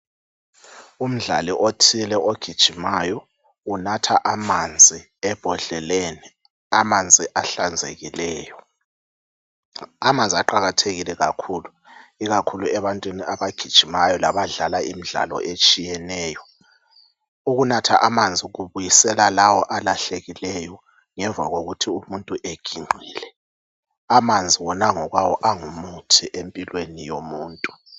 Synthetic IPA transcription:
um̩ɮa̰liʔotʰilɛʔoɡ̥ʱid̥ʒ̥ʱimajɔ | unatʰaʔamand͡zʱi | ɛb̥ʱɔɮɛleni | amand͡zʱiʔaɬand͡zʱḛɣilɛːjɔ | amand͡zʱiaǃaɣatʰeɣilɛɣa̰kʰuːlu | iɣakʰuluɛβantʼwiniʔaβaɡ̥ʱid̥ʒ̥ʱimajɔlaβaɮalaimiɮa̰lɔ̰ʔet͡ʃʼijɛnɛːjɔ | uɣunatʰaʔamand͡zʱiɣuβujisɛlalawɔʔalaɬeɣilɛjɔ | ŋɛɱva̰ɣoɣutʰiumuntʼuʔeɡ̥ʱiŋ͡ǃʱiːlɛ | amand͡zʱiwɔnaŋɔɣwawɔʔaŋumutʰiʔempʼilwenijomuːntʼu

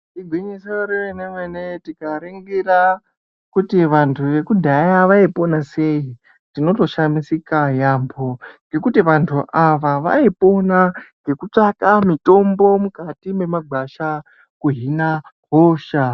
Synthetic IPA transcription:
tiɡʱwiɲisoɾiʋenemwenetikaɾiŋɡira | kutiʋantʰuʋe̞kudʱajaʋaipo̞nase̞i | tino̞to̞ʃamisikajambʱo̞ŋɡe̞kutiʋantʰuʔaʋaʋa̰ipo̞naŋɡe̞kut͡ʂakamito̞mbo̞mukatime̞maɡʱaʃa | kuɦinakoːʃa

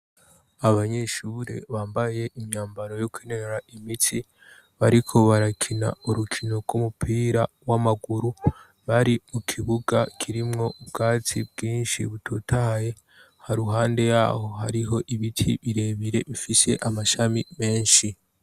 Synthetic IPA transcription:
aβaɲe̞ʃuːɾḛβaːmbaje̞ʔimɲaːmbaɾo̞jokweneneɾaimiti | βaɾikʰo̞βaɾakʰina̰uɾukʰino̞ɡɡumupʰiːɾa | wamaɡuɾu | βaɾimukʰiβuɡakʰiɾimŋo̞ubɡaːt͡sib̚ɡiːnʃiβutʰutʰahaje̞ | haɾuɦaːnde̞ja̰ɦo̞ɦa̰ɾiɦo̞ʔiβitʰḭβiɾe̞βiɾe̞βifise̞ʔamaʃamime̞ːnʃi

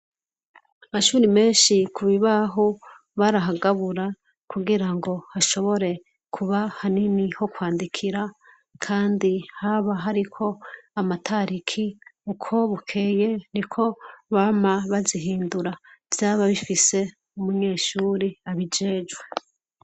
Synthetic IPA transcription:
amaʃuːɾime̞ːnʃikʰuβiβaɦo | βaɾaɦaɡaβuɾa | kʰuɡiɾaŋɡo̞haʃo̞βo̞ɾe̞ | kʰuβahaniniho̞kwaːndikʰiɾa | kʰaːndihaβaɦaɾikʰo̞amatʰaɾikʰiukʰo̞βukʰe̞ːje̞nikʰo̞βaːmaβaziɦiːnduɾav̥jaːβaβifise̞ | umuɲe̞ːʃuːɾiaβid͡ʒe̞ːd͡ʒwe

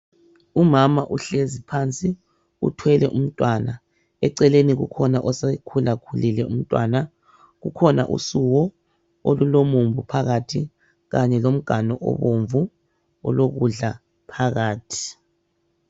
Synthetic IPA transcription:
umamaʔuɬezipʰant͡sʼi | ṵtʰwɛlɛʔum̩tʼwaːna | ɛǀɛleniɣṵkʰɔnaʔɔsekʰulakʰulilɛum̩tʼwaːna | ɣukʰɔna̰ʔṵsuɣɔ | olulomuɱvupʰaɣatʰi | ɣaɲɛlom̩ɡ̥ʱanɔʔɔ̰βoɱvu | ɔ̰loɣuɮa | pʰaɣaːtʰi̥

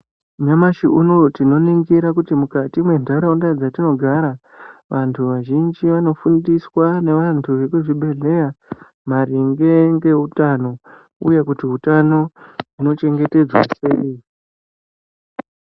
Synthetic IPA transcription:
ɲamaʃiʔuno̞tino̞niŋɡiɾakutimukatimwe̞ndʱaɾaundad͡zatino̞ɡʱaɾa | ʋʔantʰuʋaʒind͡ʒiʋano̞fundiswane̞ʋantʰuʋe̞kuʐiɓe̞ɮe̞ja | maɾiŋɡe̞ŋɡe̞utano̞ | ṵjekutiɦutano̞uno̞t͡ʃe̞ŋɡe̞te̞d͡zwa̰sei

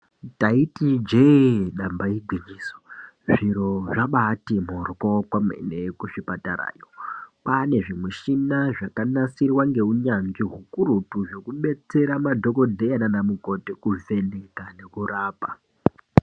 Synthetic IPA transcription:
taitid͡ʒeɗambaiɡʱwiɲiːso̥ | ʐiɾo̞ʐaɓatimorkokwamḛnekuʃipataɾa̰ːjopane̞ʐimweʃinaʐakanasirwaŋɡe̞uɲanɡiɦukuɾutuʐo̞kuɓe̞t͡se̞ɾamadʱo̞ko̞dʱe̞jananamuko̞tekuve̞nekane̞kuraːpa

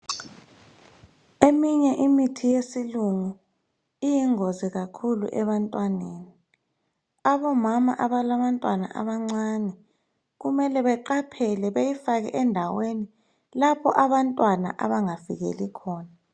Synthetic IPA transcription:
emiɲɛʔimitʰijesiluŋu | ijiŋoziɣakʰulṵʔɛβantʼwaneːni | aβɔmama̰ʔaβalaβantʼwana̰ʔa̰βaŋ͡ǀanɛ | ɣumɛlɛβɛǃapʰɛlɛβejifaɣɛ̰ʔɛndʱaweni | lapʰɔʔaβantʼwana̰ʔaβaŋavḭɣɛ̰likʰɔːna

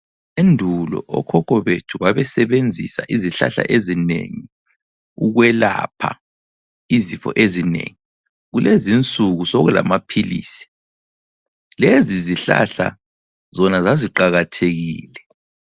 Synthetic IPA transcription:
endʱulɔ̰ʔɔkʰɔkʰɔβetʰuβaβɛsɛβend͡zʱḭsaʔiziɬa̰ɬa̰ʔezinḛŋi | uɣwɛla̰pʰa | izifɔ̰ʔezinḛŋi | ɣulezint͡sʼuɣusoɣula̰mapʰilḭːsi̥ | leziziɬa̰ɬa | zɔnazaziǃaɣatʰeɣiːlɛ

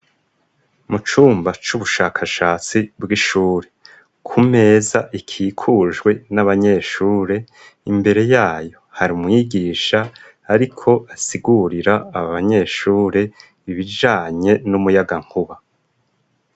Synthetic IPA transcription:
mut͡ʃuːmbat͡ʃuβuʃaːkʰaʃaːt͡sibɡiʃuːɾe̞ | kʰume̞ːzaʔikʰiːkʰuʒɡwe̞naβaɲe̞ːʃuːɾe̞ | imbe̞ɾe̞jaːjo̞haɾimŋiɡiːʃaː | ɾikʰo̞asiɡuɾiɾaːβaβaɲe̞ʃuːɾe̞ | iβid͡ʒaːɲe̞numujaɡaŋ̥huβa

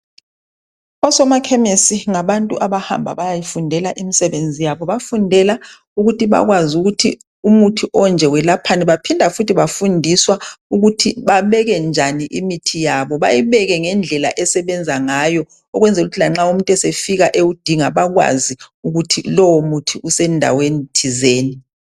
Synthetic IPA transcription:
ɔsɔmakʰɛmesiŋaβantʼuʔaβaha̰mbʱa̰βajajifundʱɛlaʔimisɛβend͡zʱijaβɔβafundʱɛla | uɣutiβa̰ɣwazuɣutʰi | umutʰiʔɔnd͡ʒʱɛwɛlapʰanɛβapʰindʱafutʰiβafundʱiswauɣutʰiβaβɛɣɛnd͡ʒʱaniʔimitʰijaβɔβa̰jiβɛɣɛŋɛnd͡ɮʱɛla̰ʔɛsɛβɛnd͡zʱaŋajɔ | ɔɣwɛnd͡zʱɛuɣutʰilaŋ͡ǁaum̩tʼɛsefiɣaʔeud̥ʱiŋaβaɣwa̰ziuɣutʰilɔwɔmutʰiusɛndʱa̰wenitʰizeːni

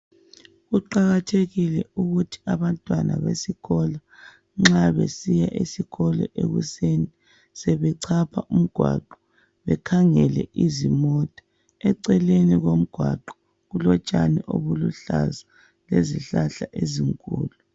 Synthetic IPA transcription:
ɣuǃaɣatʰeɣilɛuɣutʰi̥aβantʼwanʔa̰βesiɣɔla | ŋ͡ǁaβesijaʔisiɣɔlɔ̰ʔḛɣṵseni | sɛβɛǀʰapʰaʔum̩ɡ̥ʱwa̰ǃɔ | βɛkʰaŋɛlɛʔizimɔtʼɔ̥ | ɛǀɛleniɣom̩ɡ̥ʱwaǃɔ̥ | ɣulɔt͡ʃʼaniʔo̰βuluɬa̰za | lezḭɬaɬaʔeziŋkʼṵːlu

